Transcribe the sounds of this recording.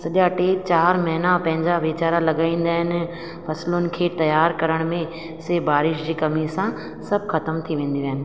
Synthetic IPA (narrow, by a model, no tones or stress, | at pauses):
sɐʄjaʈeːt͡ɕaːɾmɐɦɪnapɐ̃ɦɪ̃ɲd͡ʑaʋɪt͡ɕaːɾalɐɠaːĩːn̆d̪aːɦɪnɪ̆ | fʰɐslonɪ̆kʰeːt̪ɐjaːɾkɐɾəɽ̃mẽ | ɪsebaːɾɪʃd͡ʑiːkɐmisã | sɐb̚ʱxɐt̪əmt̪ʰiʋẽːn̆d̪iʋɐɦɪnɪ̆